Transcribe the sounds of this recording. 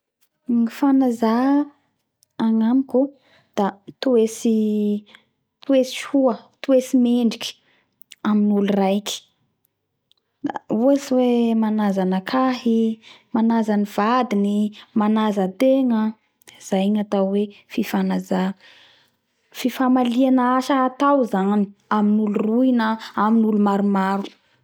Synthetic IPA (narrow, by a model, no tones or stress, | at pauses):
ŋifanaza | aŋamiku | d̪̥at̪uesi | t̪uesi̥huət̪uesimeɳɖ͡ʐikʲi̥ | aminulrajkʲi̥ | d̪a̰uesiwemanazanəkʰaɦimanazaniv̥ad̪inimanazət̪eŋə | z̥ajɲat̪awwefifanaza | fifamalianaaʃaat̪awzani̥aminulurujnəaminulumaɾumaɾu̥